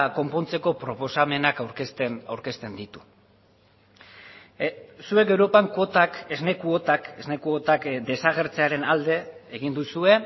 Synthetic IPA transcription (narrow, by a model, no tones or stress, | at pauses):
ko̞mpo̞nt͡se̞ko̞pɾo̞po̞same̞nakaɾst̪nawɾke̞st̪e̞nd̪it̪u̥ | sue̞ke̞wɾo̞paŋko̞t̪akezne̞kuot̪ake̞zne̞kuot̪akd̪e̞saɣ̞e̞ɾt͡se̞aɾe̞nald̪e̞ːɣind̪usue̞